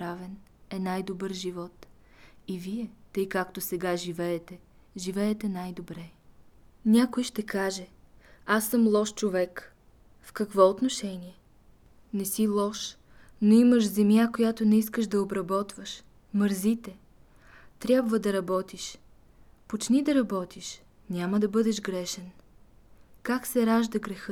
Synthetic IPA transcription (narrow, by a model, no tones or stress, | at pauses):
ɾavɛnɛnajd̪obɤɾʒivɔt̪ | iviɛt̪ɤjkakt̪osɛɡaʒivɛːt̪ɛ | ʒivɛːt̪ɛnajd̪obɾɛ | nʲakojʃt̪ɛkaʒɛasːɤmlˠɔʃt͡ʃovɛk | fkɐkvɔot̪noʃɛniɛ | nɛsilˠɔʃ | noiməʃzɛmjakojat̪onɛiskəʃd̪ɐobɾɐbɔt̪vəʃ | məɾzit̪ɛ | t̪ɾʲabvəd̪ɐɾɐbɔt̪iʃ | pot͡ʃnid̪ɐɾɐbɔt̪iʃ | nʲaməd̪ɐbɤd̪ɛʃɡɾɛʃɛn | kaksɛɾaʒd̪ɐɡɾɛxɤ